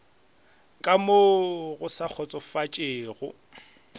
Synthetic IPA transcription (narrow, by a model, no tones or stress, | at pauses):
kʼamoɣʊsak͡xʰɔt͡sʼɔfat͡ʃʼeːɣʊ